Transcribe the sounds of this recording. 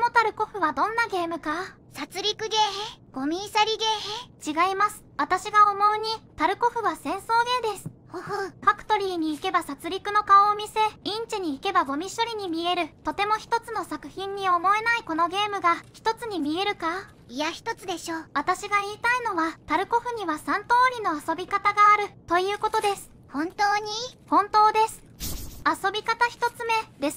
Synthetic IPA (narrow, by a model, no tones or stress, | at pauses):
mot̪aɾɯ̟ko̞ɸɯ̟βad̪õ̞nːaɡe̞ːmɯ̟ka | sat͡sɨɾʲikɯ̟ɡe̞ːɦeɡ̥o̞mʲiːsaɾʲiɡeːɦet͡ɕiɡaimasɨ̥βat̪aɕiɡaomo̞ɯ̟ɲ̟it̪aɾɯ̟ko̞ɸɯ̟βasẽ̞ɰ̃so̞ːɡe̞ːd̪e̞sɨ̥hohoɸakɯ̟̥t̪o̞ɾʲiːɲ̟iːke̞basat͡sɨɾʲikɯ̟no̞kaoːmʲise̞ĩɲ̟t͡ɕiɲ̟iːke̞baɡo̞mʲiɕoɾʲiɲ̟imʲie̞ɾɯ̟t̪o̞t̪e̞mo̞çi̥t̪o̞t͡sɨno̞sakɯ̟̥çĩɲ̟ːio̞mo̞e̞naiko̞no̞ɡe̞ːmɯ̟ɡaçi̥t̪o̞t͡sɨɲ̟imʲie̞ɾɯ̟ka | ijaçi̥t̪o̞t͡sɨd̪e̞ɕoːβat̪aɕiɡaiːt̪aino̞βat̪aɾɯ̟ko̞ɸɯ̟ɲ̟iβasãnt̪o̞ːɾʲino̞aso̞bʲikat̪aɡaːɾɯ̟t̪o̞jɯ̟ːko̞t̪o̞d̪e̞sɨ̥ | hõnt̪oːɲ̟ihõ̞nt̪o̞ːd̪e̞sɨ̥aso̞bʲikat̪açi̥t̪o̞t͡sɨme̞d̪es